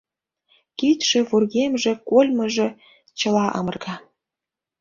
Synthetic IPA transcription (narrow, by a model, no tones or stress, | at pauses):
kit̪ʃĕβurɣemʒĕkolʲmɤ̆ʒĕ | t͡ɕə̆lɑʔɑ̰mɤ̆rɣɑ